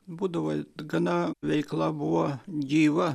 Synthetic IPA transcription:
buːd̪ɐʋɐɡɐnɑʋʲɛɪklˠɑːbuʋɐd͡ʒʲiːʋɐ

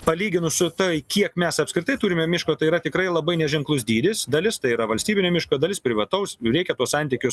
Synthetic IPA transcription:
pɐlʲiːɡʲɪnʊsʊt̪oɪkʲiɛkmʲɛsɐpsʲkɾʲɪt̪ɐɪt̪uːɾʲɪmʲɛmʲɪʃkoːt̪ɐɪiːɾɐt̪ʲɪkɾɐɪlˠɐbɐɪnʲɛʒʲɛŋklˠʊsd̪ʲiːd̪ʲɪsd̪ɐlʲɪst̪ɐɪiɾɐʋɐlʲsʲt̪ʲiːbʲɪnʲomʲɪʃkoːd̪ɐlʲɪspʲɾʲɪʋɐt̪ɐʊsɾʲɛɪkʲɛt̪uɔssɐnʲt̪ʲiːkʲʊ

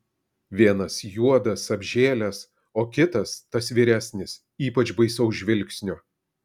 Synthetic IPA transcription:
ʋʲiɛnɐsjuɔd̪ɐsɐbʲʒʲeːlʲɛs | oːkʲɪt̪ɐst̪ɐsʋʲiːɾʲæːsʲnʲɪs | iːpɐt͡ʃbɐɪsɐʊʒʲʋʲɪlʲksʲnʲʊ

